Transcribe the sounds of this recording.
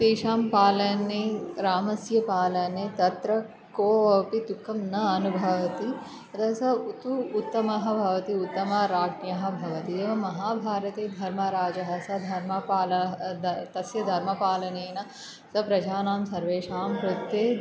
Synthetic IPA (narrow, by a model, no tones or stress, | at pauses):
t̪eːʃaːmpaːlɐneɾaːmɐsjɐpaːlɐnet̪ɐt̪ɾɐ | koːɐpid̪ukʰːɐmnɐɐnubʱɐʋɐt̪i | ɐt̪ʰɐɐsɐut̪uːt̪ːɐmɐɦɐ̆bʱɐʋɐt̪iut̪ːɐmɐɾaːɡnjɐɦɐ̆bʱɐʋɐt̪ieːʋɐmɐɦaːbʱaːɾɐt̪eːd̪ʱɐɾmɐɾaːd͡ʒɐɦɐsɐd̪ʱɐɾmɐpaːlɐɦt̪ɐsjɐd̪ʱɐɾmɐpaːlɐneːnɐ | sɐpɾɐd͡ʒaːnaːmsɐɾʋeːʂaːmpɾut̪ːeː